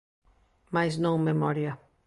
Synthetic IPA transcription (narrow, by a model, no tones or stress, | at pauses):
majznõŋmemɔɾjɐ